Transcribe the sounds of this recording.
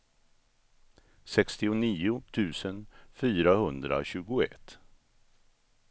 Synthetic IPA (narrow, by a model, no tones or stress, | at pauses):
sɛkst̪ɪʊniːʊt̪ʰʉ̟ːsənfyːɾahɵnd̪ɾa̰ɕʉ̟ːɡʊɛ̰t̪ː